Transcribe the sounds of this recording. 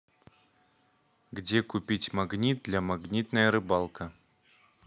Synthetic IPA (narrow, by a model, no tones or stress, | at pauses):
ɡd͡zʲɛkupʲit͡sʲmaɡnʲid̪̚d̪lʲɐmaɡnʲit̪nɐjəɾɨbalˠkʰɐ